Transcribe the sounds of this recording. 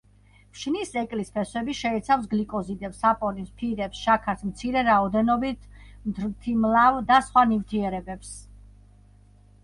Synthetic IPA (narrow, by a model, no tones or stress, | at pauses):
pʃnisɛkʼlispʰɛswɛbiʃɛɛt̪sʰafs̬ɡlikʼɔzid̪ɛpsapʼɔnispʰiɾɛpsʃakʰaɾt̪ʰmt̪sʰiɾɛɾaɔd̪ɛnɔbit̪ʰmt̪ʰt̪ʰimlˠavd̪asχwanift̪ʰiɛɾɛbɛps